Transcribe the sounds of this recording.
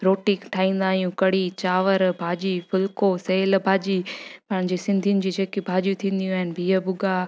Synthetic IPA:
ɾoːʈikʈʰaːĩːn̆d̪aːɦijũkɐɽit͡ɕaːʋəɾbʱaːd͡ʑifʊlkoseːlbʱaːd͡ʑipɐ̃ɦɪ̃ɲ̃d͡ʑesɪ̃nd̪ʱiʊnɪ̆d͡ʑiːd͡ʑeːkebʱaːd͡ʑjũt̪ʰĩːn̆d̪ijũaːɦɪnbʱiːəbʊɡa

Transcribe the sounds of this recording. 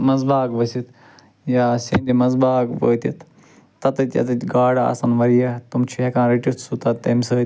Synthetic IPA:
mɐzbaːkʋɐsit̪ | jaːsind̪imɐzbaːkʋəːt̪it̪ː | ɐt̪ɨt̪ʲjɐ̰t̪ɨt̪ʲɡaːɽaa̰ːsɐnʋɐɾijɐt̪umt͡ʃʰiɦekãːɾiʈit̪ʰsut̪ɐt̪ːɐmsəː

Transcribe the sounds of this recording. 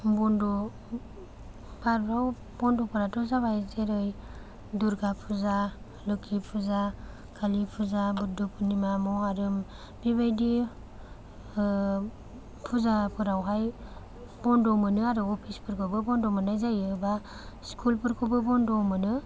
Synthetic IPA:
bɔndɔ | baɾbɾaw | b̥ɔndɔpʰɔɾatɔzabajzeɾɯj | duɾɡapʰuza | lɯkʰipʰuza | kʰalipʰuzabuɾdupʰunimamɔaɾɯm | biβajdi | pʰuzapʰɯɾawɦaj | bɔndɔmɯnɯaɾɯɔpʰispʰɯɾkʰɯwbɯbɔndɔmanajzajɯba | skʰulpʰɯɾkʰɯbɯbɔndɔmɯnɯ

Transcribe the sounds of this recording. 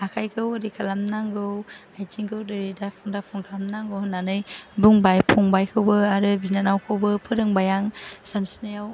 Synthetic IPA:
akʰajkʰɯwaɾikʰalamnaŋɡɯwajd͡ʒiŋɡɯwdɯɾidapʰuŋdapʰuŋkʰalamnaŋɡɯwhɯnːanɯjbuŋbajpʰuŋbajkʰɯwbɯaɾɯbinanawkʰɯwbɯpʰɯɾɯŋbajaŋsansi̥nɯjaw

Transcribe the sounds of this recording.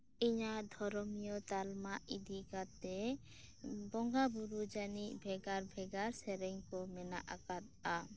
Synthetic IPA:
iɲad̪ʱɔɾɔmijɔt̪almaʔid̪ikat̪ɛ | bɔŋɡabuɾud͡ʒaniʔbʱɛɡaɾbʱɛɡaɾsɛɾɛŋkɔmɛna̰ʔakat̪̚a

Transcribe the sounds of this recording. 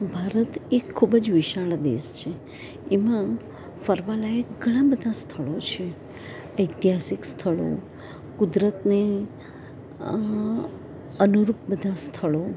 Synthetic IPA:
bʱaɾət̪ekʰːubəd͡ʒʋiʃaɭd̪ḛst͡ʃʰeː | mã | fəɾʋalajekɡʱəɽ̃ãbəd̪ʱast̪ʰəɭot͡ʃʰe | əjt̪iɦasikst̪ʰəɭo̰ | kud̪ɾət̪ne | ənuɾup̚bəd̪ʱast̪ʰəɭo

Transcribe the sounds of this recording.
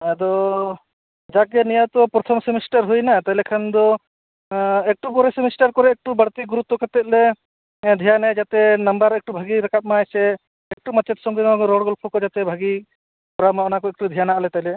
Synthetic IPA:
ɛd̪ɔ | d͡ʒaɡjanijawt̪ɔpɾɔt̪ʰɔmsɛmisʈaɾɦujnat̪aɦjlɛkʰand̪ɔ | ɛk̚ʈupɔɾɛsemisʈaɾkɔɾɛːk̚ʈubəɽt̪iɡuɾut̪ːɔkat̪ɛt̪̚lɛ | d̪ʱijanɛd͡ʒat̪ɛnambaɾɛk̚ʈubʱaɡiɾakat̪̚majsɛ | ɛk̚ʈumat͡ʃɛt̪sɔŋɡɛɡkɔɾɔɽɡɔlpʰɔkɔd͡ʒat̪ɛbʱaɡi | pɔɾamaɔnakɔɛk̚ʈud̪ʱijanalɛt̪aɦilɛ

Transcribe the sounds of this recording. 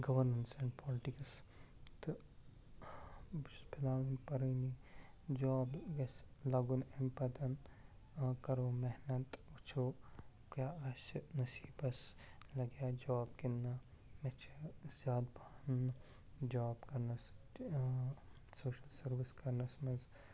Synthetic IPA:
ɡɐʋɐɾmensɛɳɖpɔːlɪʈiks | t̪ | bsbɪlaːwɐnpɐɾɐni | d͡ʒɔːbɡɐslɐɡunenpɐd̪ɐn | kɐɾoːmɛɦnɐt̪ut͡ʃʰoː | kjaːɐsnɐsiːbɐslɐɡjaːd͡ʒaːb̚kinːa | met͡ʃʰezaːd̪̚baːn | d͡ʒaːbkɐɾnɐs | soːʃɐlsɐɾʋiskɐɾnɐsmɐnz

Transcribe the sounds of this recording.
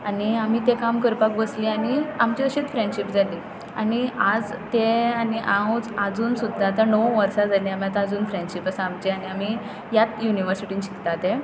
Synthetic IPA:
aniam̤iːt̪ekamkəɾpak̚bəsliañiamt͡ɕiəɕit̪fɾeɳɖɕipd͡zʱali | a̰niad͡zt̪eaniʔaõd͡zad͡zuːnsud̪ʱːat̪anəwʋəɾsad͡zaliam̤jat̪ad͡zuːnfɾẽɳɖɕipəsamt͡ɕeañiam̤i | jat̪juniʋəɾsiʈiːnɕi̥kt̪at̪ẽ

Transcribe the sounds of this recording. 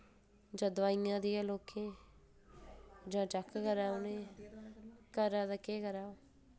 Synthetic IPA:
d͡ʒəd̪ʋaːiːãːd̪ialoːkʰẽː | d͡ʒãːt͡ʃəkʰkəɾaːʊneː | kəɾaːd̪əkeːkəɾaːoː

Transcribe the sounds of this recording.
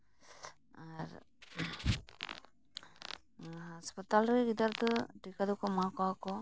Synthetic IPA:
aɾ | aspɔt̪alɾɯɡid̪aɾt̪ɯʈikad̪ɔkɔmakɔwakɔ

